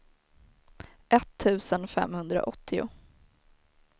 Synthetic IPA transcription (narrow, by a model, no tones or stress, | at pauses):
ʔɛt̪ʰːʉ̟ːsənfɛ̰mhɵnd̪ɾa̰ʔɔt̪ʰːɪʊ̰